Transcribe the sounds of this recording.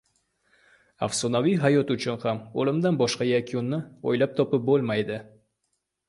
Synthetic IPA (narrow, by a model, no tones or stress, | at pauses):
a̰fsonavijɦajɒt̪ʊt͡ʃʰʊnhamo̰lˠɪmd̪anbɒʃqɑjakʲonːɪo̰jlap̚t̪ʰɒpɪp̚bolˠmajd̪ɪ